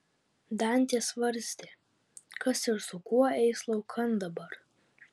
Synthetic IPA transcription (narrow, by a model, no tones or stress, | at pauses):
d̪ɑnʲt̪ʲiɛsʋɐɾʲsʲt̪ʲɪ | kɐsɪɾsʊkuɔɛɪslˠɒʊkʰɐnd̪ɐbɐɾ